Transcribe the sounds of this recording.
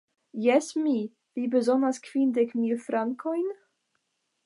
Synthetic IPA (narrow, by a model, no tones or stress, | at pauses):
jɛsmi | vibəzonaskv̥indɛkmilfɾaŋkʰojn